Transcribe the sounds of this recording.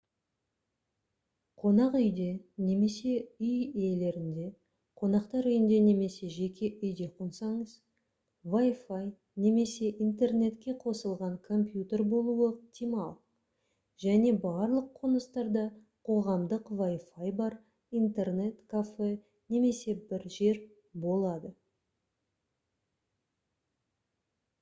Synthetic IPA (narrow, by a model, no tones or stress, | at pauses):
qʰo̞nɑqʏjd̪e̞ne̞me̞se̞ʏjiele̞ɾɪnd̪e̞ | qʰo̞nɑqt̪ɑɾʏjɪnd̪e̞ne̞me̞se̞ʒe̞kʲʰe̞ʔʏjd̪e̞qʰonsɑɴəz̥ | vajfaj | ne̞me̞se̞ʔint̪e̞rne̞t̪kʲe̞qʰo̞səlˠʁɑɴkʰo̞mpjut̪e̞ɾbo̞lˠuəpt̪ʲimɑ̰lˠ | ʒ̥æne̞bɑɾlˠəqʰːonəst̪ɑɾd̪ɑ | qʰo̞ʁɑmd̪əqvajfajbɑɾ | ijnt̪e̞rne̞t̪kʰafe̞ | ne̞me̞se̞bɪɾʒe̞ɾ | bo̞lˠɑd̪ə